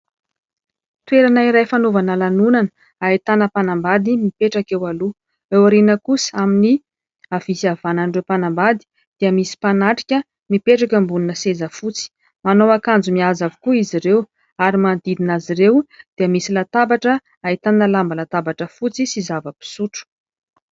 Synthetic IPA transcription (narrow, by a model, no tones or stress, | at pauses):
t̪weɾanaiɾajfanovanəlanunanə | ait̪anəpanambad̪imipeʈ͡ʂakewalu | ewaɾinəkusə̥amini | avisiavanaɳɖ͡ʐewpanambad̪i̥ | d̪̥iəmisi̥panaʈ͡ʂi̥kʲə | mipeʈ͡ʂakʲəmbuninəsezəfut͡si̥ | manowakand͡zumiazavukuiziɾew | aɾimand̪id̪inaziɾewd̪̥iəmisilat̪abaʈ͡ʂə | ait̪anəlambalat̪abaʈ͡ʂəfut͡sisizavəpi̥suʈ͡ʂu̥